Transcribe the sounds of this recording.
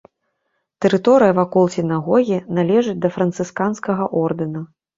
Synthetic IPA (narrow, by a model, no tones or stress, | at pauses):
t̪ɛɾɨt̪ɔɾɨjɐvakɔlˠsʲɪnaɣɔɣʲinalʲɛʐɨt͡sʲd̪ɐfɾɐnt̪sɨskanskɐɣɐʔɔrd̪ɨnɐ